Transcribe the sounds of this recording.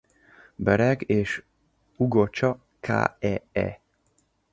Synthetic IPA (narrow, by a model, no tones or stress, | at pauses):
bɛɾɛɡeːʃ | uɡot͡ʃɒ | kʰa̰ːɛɛ̰